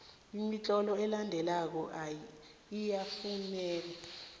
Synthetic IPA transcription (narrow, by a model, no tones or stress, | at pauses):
imit͡ɬʼɔlɔɛlandʱɛlak̬ɔʔa | ijafunɛːla